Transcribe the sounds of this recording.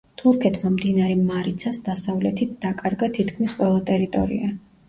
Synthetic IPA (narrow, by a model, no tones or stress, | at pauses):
t̪ʰuɾkʰɛt̪ʰmamd̪inaɾɛmaɾit̪sʰasd̪asavlɛt̪ʰit̪̚d̪̥akʼaɾɡat̪ʰit̪ʰkʰmisqʼwɛlˠat̪ʼɛɾit̪ʼɔ̰ɾḭa